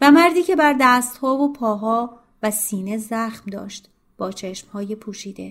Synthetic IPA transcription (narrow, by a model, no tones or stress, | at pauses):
væmæɾd̪iːcʰe̞bæɾd̪æːst̪hɒːvopʰɒːɦɒː | væsiːne̞zæːxmd̪ɒ̰ːʃt̪ | b̥ɒːt͡ʃʰeʃmhɒːjepʰuːʃiːd̪e̞̰